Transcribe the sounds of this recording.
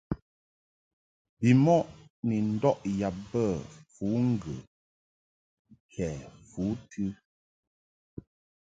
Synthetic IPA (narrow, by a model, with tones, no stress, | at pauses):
bi˨mɔ˦ʔ | ni˨n̩˦dɔ˦ʔja˨p̚bə˦˨fu˨˦ŋ̩˦ɡə˨ | kɛ˨fu˨˦tʰɨ˦